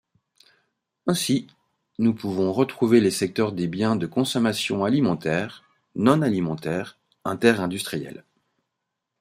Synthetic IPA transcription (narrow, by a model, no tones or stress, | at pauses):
ɛ̃si | nupuvɔ̃ʁət̪χuvelesɛk̚t̪œʁd̪ebjɛ̃d̪əkɔ̃sɔmasjɔ̰̃alimɑ̃t̪ɛːʁ | nɔ̃nalimɑ̃t̪ɛʁ | ɛ̃t̪ɛʁɛ̃d̪yst̪χijɛ̰l